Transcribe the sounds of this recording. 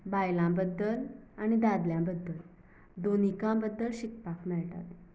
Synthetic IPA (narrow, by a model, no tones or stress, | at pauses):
bajlãbəd̪ːəlañid̪ad̪ljãbəd̪ʱːəl | d̪onikãbəd̪ːəlɕik̚pakmɛɭʈa̰t̪e